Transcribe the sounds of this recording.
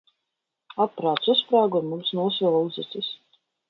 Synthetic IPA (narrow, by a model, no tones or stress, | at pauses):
apːɾaːt̪suspɾaːɡɔmumsnuɔsvɛlˠlˠzɨt̪sɨs